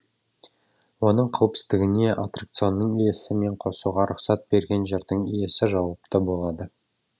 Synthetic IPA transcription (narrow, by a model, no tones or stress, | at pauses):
wo̞nəɴqʰɑwəpsɪ̥t̪ɪɡʲɪne̞ʔa̰t̪rak̚t̪sɨo̞nːəɴijesɪme̞ɴqʰo̞suʁɑɾʔʊqsɑt̪̚be̞ɾɡʲe̞nʒeɾd̪əɴije̞sɪʒɑwɑp̚t̪ɑbo̞lˠɑd̪ə